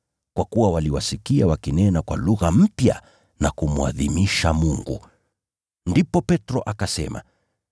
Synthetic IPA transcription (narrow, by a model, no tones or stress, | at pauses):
kwakuwawaliwasikiawakinɛnakwa̰luɣam̩pja̰ | nakumua̰ðimiʃamuŋɡṵ | ndipɔpɛtɾɔʔakasɛ̰ma̰